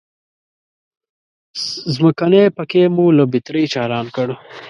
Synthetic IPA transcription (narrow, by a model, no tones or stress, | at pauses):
zməkanepəkemulabit̪ɾijt͡ʃɑːɾɑːnkəɽ